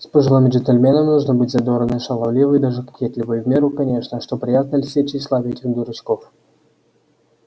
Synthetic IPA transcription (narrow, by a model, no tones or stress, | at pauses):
spəʐɨlˠamʲɪd͡ʒɪnʲt̪elʲmʲenəmʲnuʐnɨbɨtʲzɐd̪oɾənəʂɐlˠɐvlʲivɨjd̪aʐɨkkʲet̪lʲɪvəjvmʲeɾukɐnʲeʂnəʂt̪opɾʲɪjat̪̚nəlʲsʲet͡ɕɪslˠavʲetʲɪɣd̪uɾɨskof